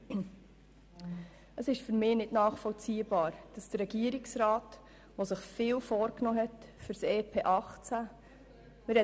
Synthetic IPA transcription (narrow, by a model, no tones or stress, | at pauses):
əsɪʃfyɾmɪːnɪdnɑːχfɔlt͡siːəbɑːɾd̥ɑsd̥əɾːɛɡiəɾiksɾaːt | ʋosɪχfɪːlfoːɾknoːɦɛtfyɾsɛːpʰeːʔɑχt͡sæ | mɪɾɛ